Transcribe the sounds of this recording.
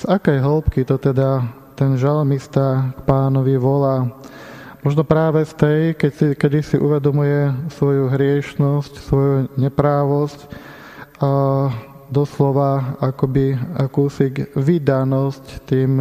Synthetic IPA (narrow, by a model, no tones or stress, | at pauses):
sakɛjɦɔlpkit̪ɔt̪ɛd̪a | t̪ɛnʒalmist̪akpaːnɔʋiʋɔlaː | mɔʒnɔpɾaːʋɛst̪ɛjkɛcsikɛd̪isiʔuʋɛd̪ɔmujɛsʋɔjuɦɾɪɛʃnɔscsʋɔjuɲɛpɾaːʋɔsc | d̪ɔslɔʋaakɔbiakuːsikʋid̪anɔsct̪iːm